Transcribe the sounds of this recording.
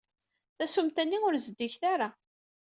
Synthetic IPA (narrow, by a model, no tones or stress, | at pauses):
θæsumt̪ænːiʊɾzd̪ːiçθaɾa